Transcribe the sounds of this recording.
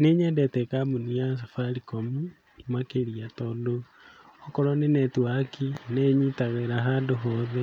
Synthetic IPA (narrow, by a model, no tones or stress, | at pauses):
neɲɛdɛtɛkamunijas̬afaɾikomu | imakeɾiatɔːdo | ɔkɔɾɔnenɛtwakineɲitaɣeɾaɦaːndoɦɔːðɛ